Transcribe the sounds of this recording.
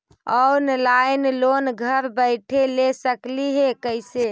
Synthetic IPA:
əwnlaɪnlonɡʱəɾbəɪʈʰelesəkliɦekəɪse

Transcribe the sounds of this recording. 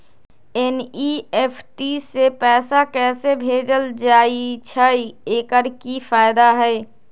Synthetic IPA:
eniepʰʈisepɛːsakɛːsebʱed͡ʒəld͡ʒaːit͡ʃʰəjeːkəɾkipʰaːɪd̪aɦəɪ

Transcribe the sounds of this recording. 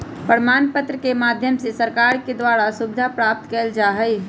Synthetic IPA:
pəɾmaːnpət̪ɾəkemaːd̪ʱjəmsesəɾkaːɾked̪waːɾasubɪd̪ʱapɾaːp̚t̪keːld͡ʒaːɦəj

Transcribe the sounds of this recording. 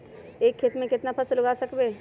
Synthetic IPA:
eːkʰːeːt̪mẽkɪt̪napʰəslʊɡasəkbeː

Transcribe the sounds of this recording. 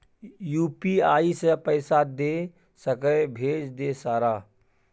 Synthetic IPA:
juːpiaːisepəɪsad̪e | səkəbʱeːd͡ʒd̪esaːɾa

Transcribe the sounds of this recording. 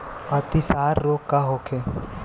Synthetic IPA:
ɐt̪isaːɾːoːkkaɦoːkʰe

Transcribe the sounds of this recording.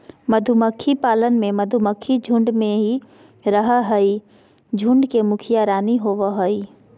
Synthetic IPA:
məd̪ʱuməkʰːipaːlənmẽmɐd̪ʱuməkʰːid͡ʒʱʊ̃ɳɖmẽɦi | ɾəɦaɦəi | d͡ʒʱʊ̃ɳɖkemʊkʰijaɾaːniɦoʋaɦoi

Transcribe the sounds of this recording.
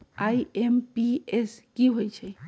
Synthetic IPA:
ajempieskiɦojt͡ʃʰɛ

